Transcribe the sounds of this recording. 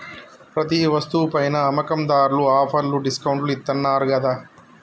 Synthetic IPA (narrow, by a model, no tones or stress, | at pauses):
pɾɐt̪̬iʋɐst̪upɐjnɐːmɐkɐmd̪aːɾuluaːpʰɐɾluɖiskɐwɳʈluit̪ːɐnːaːɾuɡɐd̪a